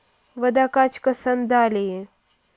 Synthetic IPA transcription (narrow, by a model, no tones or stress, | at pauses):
ʋɐd̪akat͡ʃkɐsɐnd̪aːleẽ